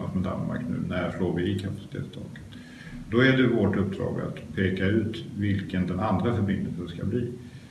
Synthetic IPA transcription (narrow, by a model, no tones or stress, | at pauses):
a̰smɛd̪a̰nma̰ɾknʉ̟ːnæʂloːɾvɪɪkʰapḁsɪt̪ʰḛːt̪st̪ʰɑ̰ːkə̥t̪ | d̪ɔæɖɛvoʈɵp̚d̪ɾɑ̰ːɡa̰t̪pʰeːkaʉ̟ːt̪vɪlkənd̪ɛnand̪ɾafœɾbɪnd̪əlsənskabliː